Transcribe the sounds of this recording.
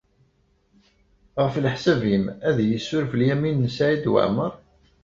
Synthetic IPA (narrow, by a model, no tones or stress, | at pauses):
ʁəflħsævimæðjəsːʊɾfəljæminːəsaʕid̪wə̰ʕməɾˤ